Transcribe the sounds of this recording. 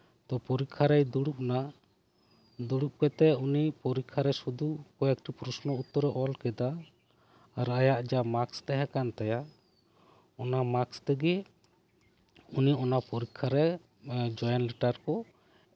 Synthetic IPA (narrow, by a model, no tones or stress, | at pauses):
t̪ɔpɔɾikʰːaɾɛjd̪uɽup̚na | d̪uɽup̚kɛt̪ɛunipɔɾikʰːaɾɛsud̪ukɔjak̚ʈipɾusnɔut̪ːɔɾɛʔɔlkɛd̪aː | ɾajaʔd͡ʒamakst̪ɛɦakant̪aja | ɔnamakst̪ɛɡɛ | uniɔnapɔɾikʰːaɾɛ | d͡ʒɔjanliʈaɾkɔ